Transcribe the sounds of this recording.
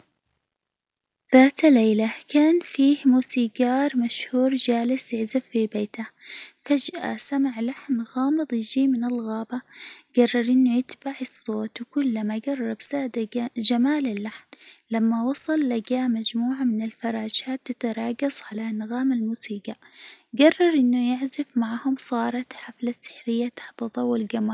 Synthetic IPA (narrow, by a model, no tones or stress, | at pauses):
ðaːt̪lːeːlakaːnfiːhmuːsiːɡɑːɾˤmaʃhuːɾd͡ʒaːlɪsjɪʕzabfibeːt̪afad͡ʒʔa̰samaʕlaħnɣɑːmɨðˤjɪd͡ʒiːmɪnɪlɣɑːbaɡ̥ɑrˤːɑɾˤʔɪnːʊjɪt̪baʕɑsˤːoːt̪wkʊlːamaɡɑrˤːɑbsaːd̪ad͡ʒamaːlɪlːaħnlamːawɑsˤɑlːaɡaːmad͡ʒmuːʕamɪnɪlfɑɾˤɑːd͡ʒaːt̪ːat̪ɾˤɑːɡɑsˤʕalanːaɣaːmalmuːsiːɡa | ɡɑrˤːɑɾˤʔɪnːʊjɪʕzɪfmaʕhʊmsˤɑːɾˤɑt̪ħaflasːɪ̥ħɾɪjːat̪ḁħt̪ɑðˤɑwːalɡama